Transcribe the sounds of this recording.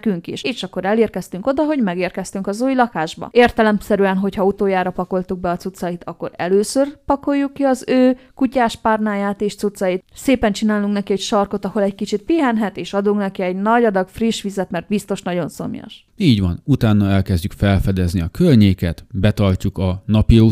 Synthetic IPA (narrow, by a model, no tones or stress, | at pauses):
kyŋkḭʃeːʃɒkːo̞ɾɛleːrkɛst̪yŋko̞d̪ɒɦo̞ɟmɛɡeːrkɛst̪yŋkɒzuːjlɒkaːʒbɒ̰eːrt̪ɛlɛmsɛɾyɛnɦo̞chɒut̪oːjaːɾɒpɒko̞lt̪uɡ̚bɛɒt̪sut̪sɒjit̪ɒkːo̞ɾɛ̰løːsørpɒko̞jːukːiɒzøːkucaːʃparnaːjaːt̪eːʃt͡sut̪sːɒjit̪seːpɛnt͡ʃinaːluŋknɛkiɛcʃɒrko̞t̪ɒho̞lɛɟkit͡ʃit̪̚piɦɛnɦɛt̪eːʃɒd̪uŋknɛkiɛɟnɒɟɒd̪ɒɡfriʃʋizɛt̪mɛrd̪̚bist̪o̞ʃnɒɟo̞nso̞̰mjɒ̰ʃ | iːɟʋɒnut̪aːnːɒɛlkɛzɟykfɛlfɛd̪ɛzniɒkørɲeːkɛt̪bɛt̪ɒrcukɒnɒpiu